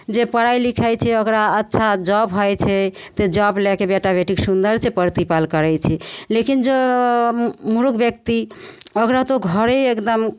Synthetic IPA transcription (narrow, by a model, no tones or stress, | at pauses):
d͡ʒepəɾajlikʰajt͡ʃʰɛəkɾaətːʃʰad͡ʒɔbɦojt͡ʃʰɛ | t̪ed͡ʒɔblɛkebeʈabʱeʈiksund̪əɾt͡ʃʰepəɾt̪ipalkəɾɛt͡ʃʰɛlekind͡ʒe | muɾukbjək̚t̪iəkɾat̪oɡʱəɾeekd̪əm